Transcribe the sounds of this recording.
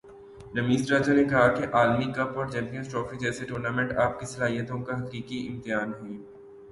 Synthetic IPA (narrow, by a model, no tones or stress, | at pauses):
ɾɐmiːzɾaːd͡ʒanekɐɦakeʔaːlmikɐpɔːɾt͡ʃɛ̃ːmpijə̃nsʈɾɔːfɾid͡ʒɛːseʈoːɾnaːmẽɳʈaːp̚kisɐlaːɦijət̪õkaɦɐqiːkiʔɪ̰̃mt̪ɪjaːnɦɛ̃ː